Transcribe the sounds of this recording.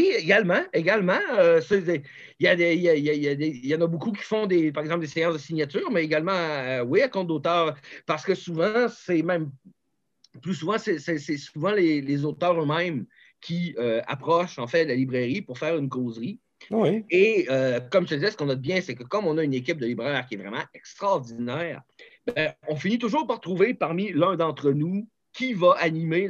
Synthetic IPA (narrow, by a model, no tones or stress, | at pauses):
wieɡalmɑ̃eɡalmɑ̃øsəse | ijad̪eijaijaijad̪ejɑ̃ːnabokuk̬ʲi̥fɔ̃d̪epaʁɛɡzɑ̃pld̪esɛjɑ̃sd̪əsiɲjat̪yːʁmɛeɡalmɑ̃wiakɔ̃t̪̚d̪ot̪œːʁpaʁsə̥kəsuvɑ̃sɛmɛ̃m | plys̬uvɑ̃sɛsɛsɛsuvɑ̃lelezot̪œːʁømɛ̃m | kʲiøa̰pχɔʃɑ̃fɛlalibʁɛʁipuʁfɛːʁynkoːzʁi | wieøkɔmt̪əd̪izɛsə̥kɔ̃nɔd̪̚bjɛ̃sɛkəkɔ̃mɔ̃naynek̬ʲɪp̚d̪əlibʁɛːʁkʲiɛvʁɛmɑ̃ɛkst̪χɑʁd̪inɛːʁbɛ̃ɔ̃finit̪ʊʒuːʁpaʁt̪ʁuvepaʁmilœ̃d̪ɑ̃t̪χənu | kʲʰivaʔanime